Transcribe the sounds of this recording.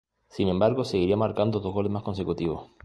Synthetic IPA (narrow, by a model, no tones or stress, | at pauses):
sinẽmbaɾɣoseɣiɾiamaɾkand̪oðozɣolemaskonsekut̪iβ̞o̰s